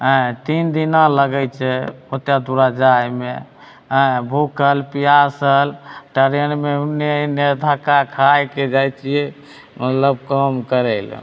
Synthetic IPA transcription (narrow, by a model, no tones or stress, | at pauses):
ɦə̃t̪ind̪inãləɡɛjt͡ʃʰɛot̪jad̪uɾad͡ʒajmḛ | ɦə̃bʱukʰəlpijasəlʈəɾiənmeunːened̪ʱakakʰajked͡ʒajt͡ʃʰijɛ | mət̪ləb̚kəmkəɾɛl̰